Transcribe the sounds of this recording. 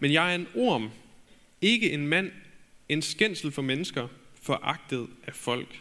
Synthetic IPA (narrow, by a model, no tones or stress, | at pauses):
menjɑ̈ɪæɐe̝no̝ɐ̰m | e̝ɡ̥əʔe̝nmæn̰e̝nsɡ̥en̰sl̩fɒ̽menəsɡ̥ɐfɒ̽ʔɑ̈ɡ̥̚d̥əð̞̩ˠæfɒ̽l̰ɡ̥